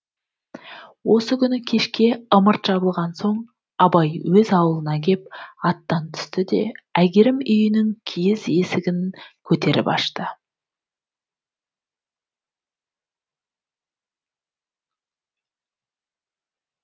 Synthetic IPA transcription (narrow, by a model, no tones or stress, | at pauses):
wo̞səkʲʰʏnɪkʲʰe̞ʃkʲe̞əməɾt̪ʒ̥ɑbəlˠʁɑnso̞ɴ | ɑbɑjwɵzɑwəlˠənɑkʲe̞p̚ɑt̪ːɑnt̪ʰʏ̥st̪ɪd̪e̞̰æɡʲeɾɪmʏjɪnɪŋkʲʰijɪze̞sɪɡʲɪŋkʲʰɵt̪e̞ɾɪ̰pɑ̰ʃt̪ə